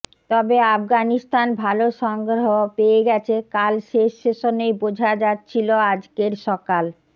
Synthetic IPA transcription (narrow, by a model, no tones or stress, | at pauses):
t̪ɔbeafɡanist̪anbʱaloʃɔŋɡɾoɦopeeɡɛt͡ɕʰekalʃeʃːeʃonejbod͡ʑʱad͡ʑatːt͡ɕʰiload͡ʑkeɾʃɔkal